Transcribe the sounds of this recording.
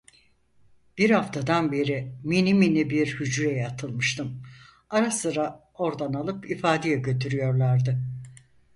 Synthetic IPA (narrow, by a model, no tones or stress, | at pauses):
b̥iɾhaft̪ʰad̪anbe̞ɾiminiminibiɾhyd͡ʒɾɛjat̪ʰɯlˠmɯʃt̪ʰɯm | aɾasɯɾa | o̞ɾd̪analˠɯpifaːd̪ejɛɟø̞t̪ʰyɾyjo̞ɾlˠaɾd̪ɯ